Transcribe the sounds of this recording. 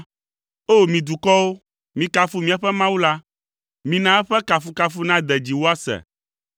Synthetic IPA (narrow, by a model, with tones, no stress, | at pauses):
o˦˨mĩ˨d̪u˨kɔ˦wo˦ | mĩ˨ka˨fu˦mĩ˦ɛ˦ɸɛ˦mã˦wu˦la˦ | mĩ˨nã˦ɛ˦ɸɛ˦ka˨fu˦ka˦fu˦nã˦d̪ɛ˨d͡ʑi˨wo˦a˦sɛ̰˨